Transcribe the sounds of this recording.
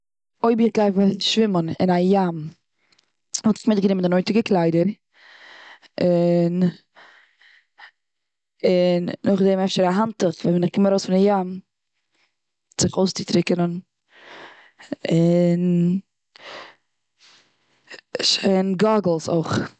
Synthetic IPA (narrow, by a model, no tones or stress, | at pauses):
oɪbɪχɡaɪfʃvɪmənɪ̰najam | hɔtɪχmɪd̚ɡənɪməndɪnɔɪntɪɡəklˠaɪdəɾ | ɪn | ɪnːʊχdɛmɛfʃəɾaɦantəχvɛvɛnɪχkɪmaɾoʊsfɪndɪjam | z̥ɪχoʊst͡sɪtɾɪkənən | ɪn | ʃeɪnɡɔɡl̩ˠso̰χ